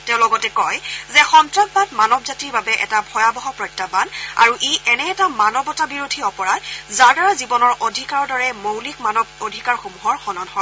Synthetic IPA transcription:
teʊ̃lɔɡɔtɛkɔjzɛxɔntɹak̚batmanɔbzatiɹbabɛʔɛ̰tabʱɔjabɔɦɔpɹɔjtːabana̰ɹuʔeʔɛnɛːtamanɔbɔtabiɹodʱiɔpɔɹajzaɹdaɹazibɔnɔɹodʱikaɹɔdɔɹɛmowlikmanɔbodʱikaɹxomuɦɔɹxɔnɔnɦɔj

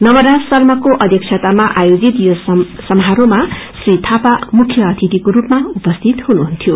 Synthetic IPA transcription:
nʌmʌɾasʌrmʌkoʔʌd̪ʱjʌk̚t͡ʃʰʌt̪amaʔajod͡zit̪josʌmɦaɾomasrit̪ʰapamukʰjʌːt̪ʰit̪ikoɾupmaupʌst̪ʰit̪ɦunuɦunt̪ʰjo

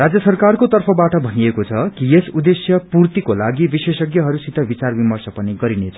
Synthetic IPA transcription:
rad͡zjʌsʌrkarkot̪ʌrpʰʌbaʈʌbʱʌniekot͡sʰʌkijesud̪esjʌpurt̪ikolaɡibisesʌɡjʌɦʌɾusit̪ʰʌbit͡sarbimʌrsʌpʌniɡʌɾinet͡sʰʌ

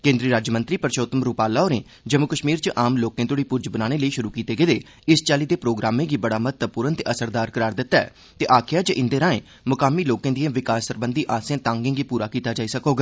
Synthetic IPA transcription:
kẽːnd̪ɾiːɾaːd͡ʒmə̃nt̪ɾiːpəɾʃoːt̪əmɾuːpaːlaːoːɾẽː | d͡ʒəmːʊkəʃmiːɾt͡ʃəʔaːmloːkẽːt̪oːɽiːpʊɾd͡ʒbənaːneːləiːʃʊɾuːkiːt̪eːɡeːd̪eː | ɪst͡ʃaːliːd̪eːpɾoːɡɾaːmẽːɡiːbəɽaːmət̪əpuːɾənt̪eːʔəsəɾd̪aːɾkəɾaːɾd̪ɪt̪ːaɛ̰ː | t̪eːʔaːkʰɪjaːd͡ʒəʔɪnd̪eːɾãːḛ̃ː | mʊkaːmiːloːkẽːd̪iẽːʋɪkaːsəɾbə̃nd̪iːʔaːsẽːt̪ãːŋɡẽːɡiːpuːɾaːkiːt̪aːd͡ʒaːiːsəkoːɡaː

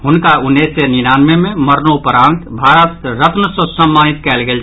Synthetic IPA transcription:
ɦunkaunːeseninanmememəɾnopəɾãːnt̪bʱaɾət̪ɾət̪nəsə̃səmːanit̪kɛːlɡel

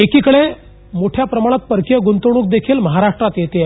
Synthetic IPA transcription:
ekikəɭe | moʈʰjapɾəmaɽ̃at̪̚pəɾkijəɡunt̪oɽ̃uːk̚d̪ekʰiːlməɦaɾaʂʈɾat̪jet̪e

